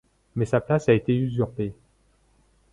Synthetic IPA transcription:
mɛsaplasaet̪eyzyʁpe

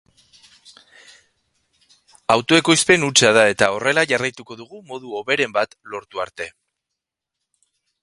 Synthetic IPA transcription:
awt̪o̞e̞ko̞jspe̞nut͡sað̞ae̞t̪ao̞re̞laʝarajt̪uko̞ðuɣumo̞ð̞uo̞βe̞ɾe̞mbat̪lo̞ɾt̪uaɾt̪e̞

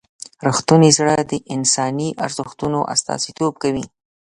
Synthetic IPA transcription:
ɾəxt̪unizɽəd̪əʔɪnsɑniʔa̰ɾzəxt̪unoʔa̰st̪ɑ̰sit̪ob̚kawi

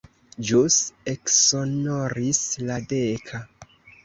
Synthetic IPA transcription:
d͡ʒuseksonoɾisladekʰa

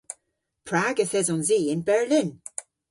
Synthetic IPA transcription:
pʰɹ̥aːɡəθɛzɔnziːɪnbɛɹlɪn

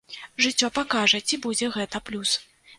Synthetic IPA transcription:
ʐɨt͡sʲːɔpakaʐɐt͡sʲibud͡zʲɛɣɛt̪ɐplʲus

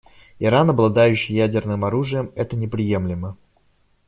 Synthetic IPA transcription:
ɪɾanɐblˠɐd̪ajʉɕːijædʲɪrnɨmɐɾuʐɨjəmɛt̪ənʲɪpɾʲɪje̞mlʲɪmə

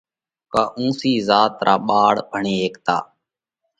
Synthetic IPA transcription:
kaːʔũːsiːzaːt̪ɾʔaːɓaːɽbʱəɳiːɦeːkt̪a̰ː

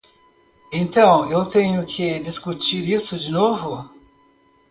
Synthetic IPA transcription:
ẽnt̪ɐ̃w̃ewt̪ẽɲʊkʰɪd̪iskut͡ʃiɾisʊd͡ʒinovʊ

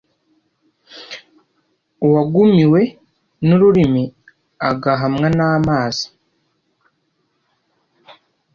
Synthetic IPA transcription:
waɡumiwe̞ | nuɾuɾimi | a̰ɡaɦamŋanaːmaːz̥i̥

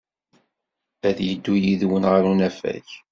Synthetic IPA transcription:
æðjəd̪ːujiðwənʁəɾunæfæ̰ç

